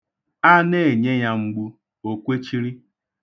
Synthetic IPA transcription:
a˦ne˦˨e˨ɲe˦ja˦ŋ͡m̩˦ɡ͡bu˦ | o˨kʷe˦t͡ʃi˦ɾi˦

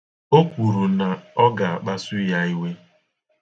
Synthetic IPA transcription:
o˦kʷu˨ɾu˨na˨ɔ˦ɡa˨a˨k͡pa˦su˦ja˦i˦we˦

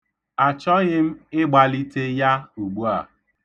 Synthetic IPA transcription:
a˨t͡ʃɔ˦ɣɪ˦m̩˦ɪ˦ɡ͡ba˨li˦te˦ja˦u˨ɡ͡bu˦a̰˨

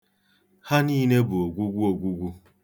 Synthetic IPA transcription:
ha˦niː˦ne˦bu˨o˨ɡʷu˦ɡʷu˦o˨ɡʷu˦ɡʷu˦

